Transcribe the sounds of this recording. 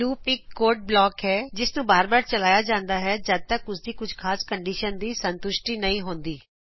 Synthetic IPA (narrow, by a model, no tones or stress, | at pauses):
luːpɪkːoːɾʈ̚blɔːkɦɛːd͡ʒɪsnũːbaːɾbaːɾt͡ʃəlaːjaːd͡ʒãːnd̪aːɦɛːd͡ʒəd̪̚t̪əkʊsd̪iːkʊd͡ʒʱkʰaːskəɳɖiːʃənd̪iːsənt̪ʊʃʈiːnəĩːɦõːnd̪iː